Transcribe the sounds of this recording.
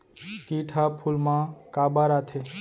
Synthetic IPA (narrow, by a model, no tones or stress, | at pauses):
kiʈʰapʰulmãkaːbaɾat̪ʰe